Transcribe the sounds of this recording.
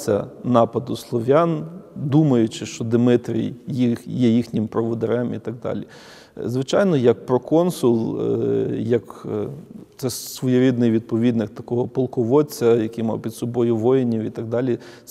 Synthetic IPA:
sʲɐ̰nɑpɐd̪ʊslˠɔʋʲjɑnd̪umɐjʊt͡ʃɪʃt͡ʃɔd̪ɪmɪt̪ɾʲḭjjijɛjixnʲɪmpɾɔʋɔd̪eɾɛmḭt̪ɐɡ̚d̪ɑ̰lʲḭ | zʋɪt͡ʃɑjnɔjɐk̚pɾɔkɔnsʊlˠ | jɐk | t̪sɛsʋɔjʊɾʲid̪nɪjʋʲid̪̚pɔʋʲid̪nɪkt̪ɐkɔɦɔpɔlˠkɔʋɔt͡sʲːɐjɐkɪjmɑ̰wpʲid̪sɔbɔjʊʋɔjɪnʲiwit̪ɐɡ̚d̪ɑlʲi

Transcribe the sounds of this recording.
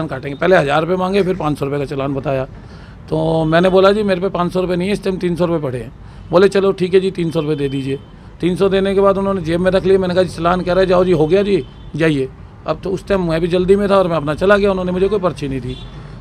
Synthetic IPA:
aːnkaːʈẽːŋɡepɛɦleɦɐzaːɾʊpemãːŋɡepʰɪɾpãːt͡ʃsɔɾʊpekat͡ʃɐlaːnbɐt̪aːjaː | t̪oːmɛ̃ːneboːlad͡ʒiːmeːɾepɛpãːt͡ʃsɔɾʊpenɐɦĩɛɪst̪eɦmt̪iːnsɔɾʊpepɐɽ̤eɦɛ̃ː | boːlet͡ʃɐloʈʰiːkɦɛd͡ʒiːt̪iːnsɔɾʊped̪eːd̪iːd͡ʒieː | t̪iːnsɔd̪eːnekebaːd̪ʊnɦõːned͡ʒeːbmẽɾɐkʰliemɛ̃ːnekaɦait͡ʃɐlaːnkɛɾaːɛd͡ʒaːod͡ʒiːɦoɡɐjad͡ʒiː | d͡ʒaːieː | ɐ̰b̚t̪oʊst̪eɦmɛ̃bʱid͡ʒɐld̪imẽt̪ʰaɔːɾmɛ̃ɐpnat͡ʃɐlaɡɐjaʊnɦõːnemʊd͡ʒʱekoːipɐɾt͡ʃʰinəɦĩt̪ʰiː

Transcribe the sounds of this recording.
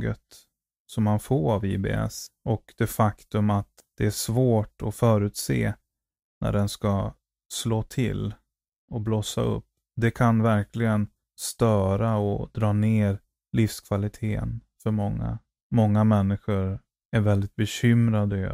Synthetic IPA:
ɡət̪ | sɔmhanfoːɾavḭːbḛɛ̰sʔɔkd̪̥ɛfakt̪ɵmat̪ | d̪̥ɛæʂvoːʈɔfœːɾʉ̟ːt̪sḛː | nʔæ̰ɖɛnska | sloːt̪ʰɪ̰l | ɔbloːsa̰ɵ̰pː | d̪ɛkʰanvæɾkʰlɪɡən | st̪œːɾaɔd̪ɾɑːneːɾ | lɪfskʰvalɪt̪ʰeːə̰n | fœɾmɔŋːa̰ | mɔŋːamɛnːɪɧʊɾ | æɾvɛld̪ɪt̪̚bɛɕʏmɾad̪ə

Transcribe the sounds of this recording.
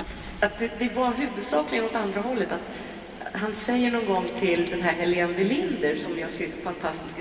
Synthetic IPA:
at̪ | at̪̚d̪ɛd̪ɛvaɦʉ̟ːvɵd̪sɑːklɪɡənɔt̪and̪ɾahɔlːət̪at̪ | ɦansɛjːəɳɔnɡɔŋːt̪ʰɪld̪ɛnɦæːɾɦɛlɪɛnvɪlɪnd̪əɾʂɔmjɪhaʂkɾiːvɪt̪fant̪ʰast̪ɪ̥sk

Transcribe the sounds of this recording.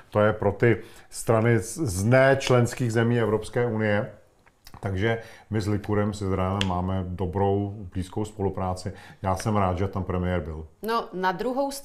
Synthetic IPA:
t̪o̞jɛpɾo̞t̪ɪst̪ɾanɪznɛːt͡ʃlɛnskiːɣzɛmiːɛvɾopskɛːʔunɪjɛ | t̪aɡʒɛmɪzlɪkuɾɛmsɪzɾajɛlɛmːaːmɛdo̞bɾo̞wbliːskowspo̞lupɾaːt͡sɪjaːsɛmɾaːt̪ʒɛt̪ampɾɛmɪjɛɾbɪlnonad̪ɾuɦows

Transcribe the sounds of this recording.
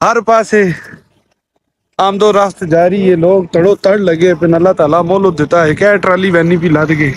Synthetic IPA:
ɦəɾpaːseː | aːmd̪oːɾast̪d͡ʒaːɾiːɦeːloːɡ̚t̪əɽoːt̪əɽləɡeːpɪnəlːaːt̪aːlaːmoːlʊd̪ɪt̪aːɦeːkɛːʈɾaːliːʋɛːniːpiːlaːd̪ɡeː

